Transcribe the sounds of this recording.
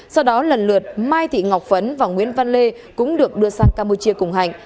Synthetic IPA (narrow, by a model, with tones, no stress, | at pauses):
sa˧wɗɔ˨˦lə˨˩nlɨ˨˩ət̚maː˧jt̪ʰḭ˧˨ŋa˨˩wk͡p̚və˨˦nvaː˨˩ŋwi˨˦ənva˧nle˧ | kʊ̰˧˥ŋ͡mɗɨ˨˩ək̚ɗɨ˧əsaː˧ŋkaː˧mpu˧t͡ɕi˧əkʊ˨˩ŋ͡mɦa̰˧˩˨jŋ̟